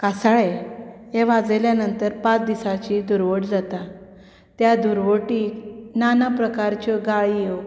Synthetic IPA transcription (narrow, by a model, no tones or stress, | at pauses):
kasaɭejɛʋad͡zeljanənt̪əɾpãt͡sd̪isat͡ɕid̪uɾʋəʈd͡zat̪a | t̪jad̪uɾʋoʈiːknanapɾəkaɾt͡ɕɔɡaɭi